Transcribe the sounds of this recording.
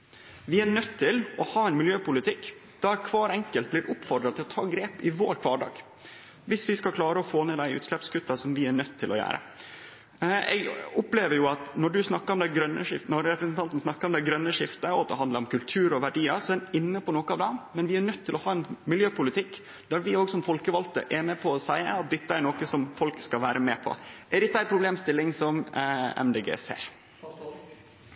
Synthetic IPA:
ʋɪæɳœt̪ʰːɪlɔhɑːɛɪnmɪljøːpʊlɪt̪ʰɪkː | d̪̥ɛæɾkʰʋɑːɾɛŋkəlt̪̚blɪːɾʔʊpfɔɖ̪ɾɑt̪ʰɪlɔt̪ʰɑːɡɾeːpɪʋoːɾkʰʋɑːɖɑ̰ːɡ̥ | ʋɪsʋɪskɑlkʰlɑːɾəɔfoːneːd̪æɪʔʉ̰t̪slɛpskʉt̪ːɑsɔmʋɪæɳœt̪ʰːɪlʔɔjæ̰ːɾə̰ | ɛ̰ɡʊpleːʋəɾjʊɑt̪nɔɖʉsnɑkːəɾɔmd̪æɪɡɾœnːəʂɪnɔɾɾɛpɾəsnt̪ʰɑnt̪n̩snɑkːəɾɔmd̪æɪɡɾœnːəʂɪft̪əɔɑt̪̚d̪ɛɦɑnd̪əɾɔmkʉlt̪ʰʉːɾɔʋæɖiːəsɔɛɛnɪnːəpɔnoːkəɑːʋd̪ɛmɛnʋɪæɾnœt̪ʰːɪlɔhɑːɛnmɪljøːpʰʊlɪt̪ʰɪkː | d̪̥æɾʋɪoːɡsɔmfɔlkəʋɑlt̪ə̰ʔæɾmɛpʰɔːsæɪə̰ɑt̪̚d̪ɪt̪ːəæɾɳoːkəsɔmfɔlkskɑlʋæːɾəmeːpʰɔ̰æɾɪk̪ːd̪æɪpʰɾʊbleːmst̪ɪlːɪŋsɔmɛ̰md̪eːɡḛːsḛːɾ

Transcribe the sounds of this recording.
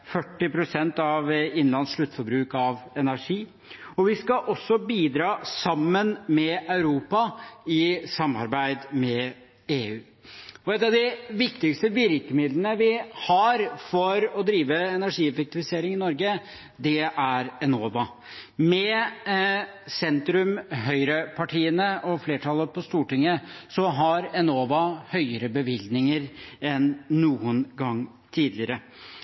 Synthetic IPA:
fœʈːɪpɾʊsɛnt̪ɑʋɪnlɑnsʂɭʉt̪ːfɔɾbɾʉːkɑʋɛnæʂiː | ɔʋɪskɑʔɔsːɔbiːd̪ɾɑːsɑmːənmɛʔɑʉɾuːpɑɪsɑmːɑ̰ɾbæɪd̪mɛ | eːʉː | ɔɛt̪ːɑʋd̪ɪʋɪkt̪ɪkst̪əʋɪɾkəmɪd̪lənəʋɪhɑɾfɔɾɔd̪ɾiːʋəɛnæʂiːɛfək̚t̪ɪfɪseːɾɪŋɪnɔɾɡə | d̪ɛʔæɾɛnoːʋɑ | mɛ | sɛnt̪ɾʉmɦœʏɾəpʰɑʈʰiːənəʔɔfleːʈʰɑlːəpʰɔst̪uːʈɪŋːəsɔɦɑɾɛnoːʋɑhœʏəɾəbəʋɪld̪nɪŋəɾɛnːuːənɡɑŋː | t̪ʰiːd̪lɪəɾə

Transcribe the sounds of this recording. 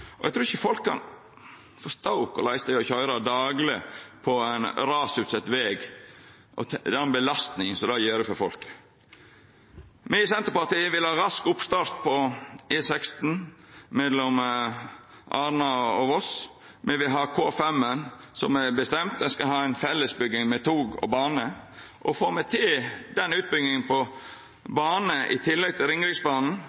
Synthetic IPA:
ʔɔʔɛ̰ɡt̪ɾʉːɾɪçəfɔlkʰːɑ̰n | fɔst̪aʊkɔ̰læɪsəd̪æɪɔçœʏɾɑd̪ɑːɡlɪpʰɔæɪnɾɑːsʉːt̪sɛt̪ːʋeːɡ | ʔɔ̰d̪ɛɛnbəlɑst̪nɪŋsɔd̪ɑjeːɾɛfɔɾfɔlk | mɛsɛnt̪əɾpɑt̪ʰiːʋɪlhɑːɾɑskʊpst̪ɑːɾt̪̚pʰɔeːsɛkst̪n̩mɛlɔm | ʔɑːɾnɑɔʋɔs | mɛʋɪɦɑːkʰoːɛfɛmənsɔmɛbəst̪ɛmt̪̚d̪ɛskɑɦɑːæɪnfɛlːəsbʏɡ̪ɪŋmɛt̪ʰuːɡɔ̰bɑːnəʔɔfoːmɛt̪ʰɪd̪ɛnːʉːt̪̚bʏɡnɪŋənpɔ | bɑːnəʔɪ̰t̪ʰɪlːɛɡ̚t̪ʰɪlɾɪŋɾɪɡsbɑːnn̩

